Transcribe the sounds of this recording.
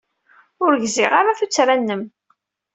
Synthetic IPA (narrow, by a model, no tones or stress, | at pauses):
ʊɾʝziʁaɾaθut͡sːɾænːəm